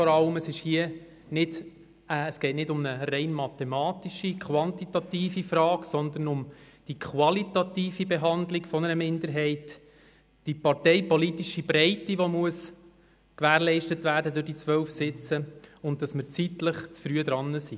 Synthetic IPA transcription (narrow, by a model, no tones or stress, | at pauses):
fɔɾɑləməsɪʃhiə | nɪd | əːsɡ̥ɛɪtnɪdʊmnəɾɛɪnmɑt̪ɛmɑːtiʃikʰχʋɑntitɑtiːfifɾɑːksɔnd̪ənʊmd̥ikʰχʋɑlitɑt̪iːfibɛɦɑndlɪkfɔnəɾəmɪndəɾɦɛɪt | d̥ipɑɾtɛɪpɔlitiʃibɾɛɪtiʋomuəs | kʋæːɾlɛɪʃtətvæːɾdədʊɾdit͡sʋœlfsɪt͡səʊntdɑsməɾt͡sitləχt͡sfɾyəd̪ɾɑnːəsi